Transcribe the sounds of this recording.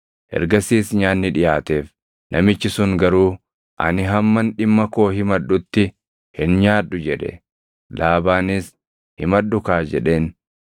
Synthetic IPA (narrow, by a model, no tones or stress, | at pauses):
ʔɛ̰ɾɡɐsiːsɲaːnːɪᶑɪjaːt̪e̞ːf | nʔɐmɪt͡ʃːɪsʊŋɡɐɾuː | ʔɐ̰nɪɦɐmːɐnᶑɪmːɐko̞ːɦɪmɐᶑːʊt̪ːɪ | hɪnɲaːᶑːʊd͡ʒɛᶑɛ̰ | laːbaːnɪs | hɪmɐᶑːʊkaːd͡ʒɛᶑe̞ːn